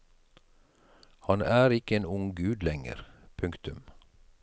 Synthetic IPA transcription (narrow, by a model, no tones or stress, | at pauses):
hɑnʔæːɾɪkəeːnʊŋɡʉːd̪lɛŋə̰ɾpʰʉŋkt̪ʉm